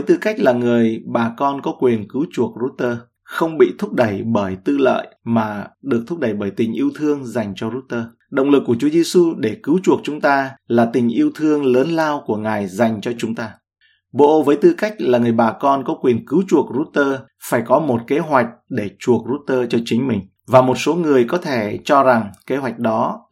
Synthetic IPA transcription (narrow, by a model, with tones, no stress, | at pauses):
və˨˦jt̪ɨ˧ka˦˥jk̟̚laː˨˩ŋɨ˨˩əjɓaː˨˩kɔ˧nkɔ˨˦kwi˨˩ənkɨ˨˦wt͡ɕu˨˩ək̚zu˦˥t̚t̪əː˧ | xə˧wŋ͡mɓḭ˧˨t̪ʰʊ˦˥k͡p̚ɗə˧˩jɓəː˧˩jt̪ɨ˧lə̰ː˧˨jmaː˨˩ɗɨ˨˩ə˩k̚t̪ʰʊ˦˥k̚ɗə˧˩jɓəː˧˩jt̪ï˨˩ŋ̟ʔi˧əwt̪ʰɨ˧əŋza˨˩jŋ̟t͡ɕɔ˧zu˦˥t̚t̪əː˧ | ɗə̰˧˨wŋ͡mlɨ˨˩k̚ːu˧˩ət͡ɕu˨˦əzi˧su˧ɗe˧˩kɨ˨˦wt͡ɕu˨˩ək̚t͡ɕʊ˨˦ŋ͡mt̪aː˧laː˨˩t̪ï˨˩ŋ̟ʔi˧əwt̪ʰɨ˧əŋləː˨˦nlaː˧wku˧˩əŋaː˨˩jza˨˩jŋ̟t͡ɕɔ˧t͡ɕʊ˨˦ŋ͡mt̪aː˧ | ɓo̰˧˨vəː˨˦jt̪ɨ˧ka˦˥k̟̚laː˨˩ŋɨ˨˩əjɓaː˨˩kɔ˧nkɔ˨˦kwi˨˩ənkɨ˨˦wt͡ɕu˨˩ək̚zu˦˥t̚t̪əː˧ | faː˧˩jkɔ˨˦mo˨˩t̚ke˨˦ɦwa˨˩jk̟̚ɗe˧˩t͡ɕu˨˩ək̚zu˦˥t̚t̪əː˧t͡ɕɔ˧t͡ɕï˨˦ŋ̟mï˨˩ŋ̟ | vaː˨˩mo˨˩t̚so˨˦ŋɨ˨˩əjkɔ˨˦t̪ʰe˧˩t͡ɕɔ˧za˨˩ŋke˨˦ɦwa˨˩jk̟̚ɗɔ˨˦